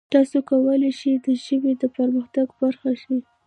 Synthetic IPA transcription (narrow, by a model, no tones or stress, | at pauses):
t̪ɑsokawəlaʃid̪əʒəwid̪əpəɾməxt̪aɡbaɾxaʃi